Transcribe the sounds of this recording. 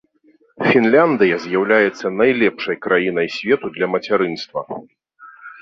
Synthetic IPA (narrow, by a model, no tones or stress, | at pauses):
fʲinlʲand̪ɨjɐzʲjawlʲajɛt̪sːɐnajlʲɛpʂɐjkɾajinɐjsʲvʲɛt̪ud̪lʲɐmɐt͡sʲaɾɨnst̪vɐ